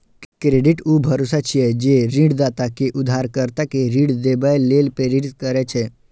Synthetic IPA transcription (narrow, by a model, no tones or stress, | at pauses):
kɾeɖiʈuːbʱəɾosat͡ʃʰijɛd͡ʒeɾĩɽd̪at̪akeʔʊd̪ʱaɾkəɾt̪akeɾĩːɽd̪ebajlːelpeɾiʈskəɾɛt͡ʃʰe